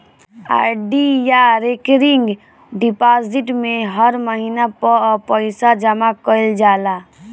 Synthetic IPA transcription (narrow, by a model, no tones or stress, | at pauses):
a̰ɖijaɾekɾiŋɡ | ɖipaziʈmẽɦəɾməɦinapəpəɪsad͡ʒəmakəɪld͡ʒaːla